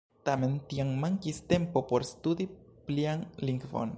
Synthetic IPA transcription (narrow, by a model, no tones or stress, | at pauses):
t̪ament̪iaŋmaŋkist̪empopoɾest̪ud̪ipliaŋliŋkfo̰n